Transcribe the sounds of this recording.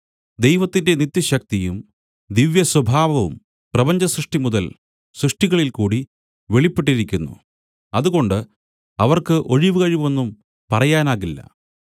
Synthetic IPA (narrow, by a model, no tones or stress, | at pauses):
d̪ejʋɐt̪ːinde̞nit̪ːjɐɕɐk̚t̪ijum | d̪iʋjɐswɐbʱaːʋɐʋṵm | prɐbɐɲd͡ʑɐsrɨʂʈimuðɐl | srɨʂʈiɣɐɭilkuːɽi | ʋe̞ɭipːeʈ̬ːiɾikʲːunːṵ | ɐðuɣo̞ɳɖɨ | ɐʋɐrkɨʔo̞ɻiʋɨɣɐɻiʋe̞nːum | pɐrɐjaːnaːɣilːɐ̰